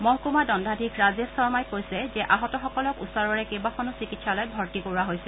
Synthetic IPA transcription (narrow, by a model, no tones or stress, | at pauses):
mɔɦkumadɔndʱadʱikʰɹazɛsɔɹmajkojsɛzɛʔaɦɔtɔxɔkɔlɔkṵsɔɹɔɹɛkebaxʰɔnusikitsalojbʱɔɹtikoɹuaɦojsɛ